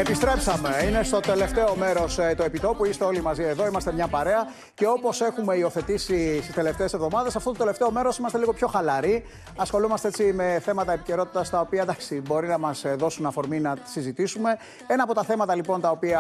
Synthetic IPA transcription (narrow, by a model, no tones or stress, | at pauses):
epist̪ɾe̞psɐme̞ine̞st̪o̞t̪e̞le̞ft̪e̞o̞me̞ɾo̞st̪oe̞pit̪o̞puist̪e̞o̞limɐzieðo̞imɐst̪e̞mɲɐpɐɾe̞ɐ | ce̞o̞po̞se̞xume̞io̞θe̞t̪isist̪ist̪ele̞ft̪e̞ese̞vðo̞mɐðesɐft̪o̞t̪ot̪e̞le̞ft̪e̞o̞me̞ɾo̞simɐst̪eliɣopço̞xɐlɐɾi | ɐsxo̞lumɐst̪eet͡sime̞θe̞mɐt̪ɐe̞pice̞ɾo̞t̪i̥t̪ɐst̪ɐo̞piɐd̪ɐksibo̞ɾinɐmɐsðo̞sunɐfo̞ɾminɐsizit̪isume̞ | enɐːpo̞t̪ɐθe̞mɐt̪ɐlipo̞nt̪ɐopiɐ